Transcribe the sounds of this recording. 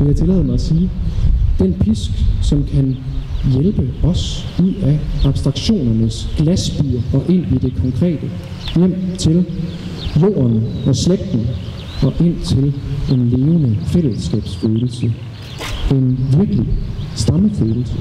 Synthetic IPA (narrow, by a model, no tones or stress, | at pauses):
ʋeljat͡sʰe̝lɛ̰ːð̩ˠmɑæsiːd̥enpʰisɡ̥sɒ̽mkʰænjelb̥əɒ̽suð̰ˠæɑ̈b̥sd̥ʁɑ̈ɡ̥ɕo̝̰ːnɐnəsɡ̥læsb̥y̰ːɐʔɒ̽ʔe̝n̰id̥e̝kʰɒ̽ŋkʰʁɛ̰ːd̥ə | jem̰t͡sʰe̝l | jo̝̰ːɐnɒ̽sleɡ̥̚d̥n̩ | ɒ̽ʔe̝n̰t͡sʰe̝le̝nle̝ːʊnəfel̰əsɡ̥ɛ̰ːb̥sføːðˠl̩sə | e̝nʋiɐɡ̥lisd̥ɑ̈məføːl̩sə